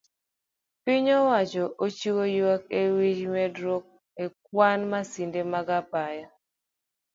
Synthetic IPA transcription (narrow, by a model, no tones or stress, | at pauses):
piɲɔwat͡ʃɔʔot͡ʃiwojakewid͡ʒmɛdɾok̚ | ek̚wanmasindemaɡapaja